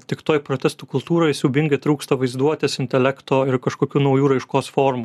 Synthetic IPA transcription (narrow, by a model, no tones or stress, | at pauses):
t̪ʲɪkt̪oːjpɾoːt̪ʲɛst̪uːkʊlˠt̪uːɾoːjɪsʲubʲɪŋɡɪt̪ɾuːkst̪ɐʋɐɪzd̪uɔt̪ʲɪsɪnʲt̪ʲɛlʲækt̪oːɪɾkɐʃkoːkʲuːnɐʊjuːɾɐɪʃkoːsfoːɾmu